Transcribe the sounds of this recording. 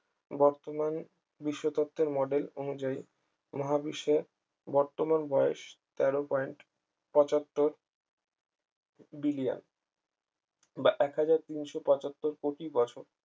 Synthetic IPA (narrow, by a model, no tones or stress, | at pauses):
bɔɾt̪oman | biʃːot̪ot̪ːeɾmɔɖelonud͡ʑai | mɔɦabiʃeɾ | bɔɾt̪omanbɔeʃt̪ɛɾopɔiɳʈ | pɔt͡ɕɔt̪ːoɾ | bilia̰n | baʔɛkɦad͡ʑaɾt̪inʃopɔt͡ɕot̪ːoɾkoʈibɔt͡ɕʰoɾ